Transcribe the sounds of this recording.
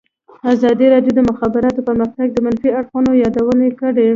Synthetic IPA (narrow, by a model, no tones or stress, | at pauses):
azɑd̪iɾɑɖjod̪əmʊxɑbɪɾɑt̪opəɾmaxt̪aɡ̚d̪əmanfiaɽxunojɑd̪awənekəɽe